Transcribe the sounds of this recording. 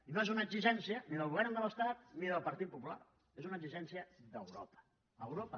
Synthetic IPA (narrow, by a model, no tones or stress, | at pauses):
inoezunəɡziʒɛnsiəniðəlˠɣuβɛɾnd̪ələst̪at̪̚niðəlˠpəɾt̪it̪̚pupula̰r | ezunəɡziʒɛnsiəd̪əwɾopə̥ | əwɾopə